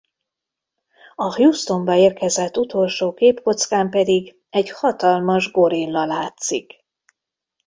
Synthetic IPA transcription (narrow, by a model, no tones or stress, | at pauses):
ɒhjust̪o̞mbɒeːrkɛzɛt̪ːut̪o̞lʃoːkeːpko̞t̪skaːmpɛd̪iɡ | ɛɟhɒt̪ɒlmɒʒɡoɾilːɒlaːt̪sik